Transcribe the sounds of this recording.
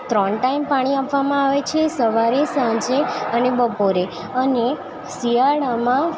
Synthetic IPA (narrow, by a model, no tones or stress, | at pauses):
t̪ɾɔɳʈaimpaɽ̃iapʋamãaʋet͡ʃʰesəʋaɾesãd͡ʒeənebəpoɾe | əne | siaɽamã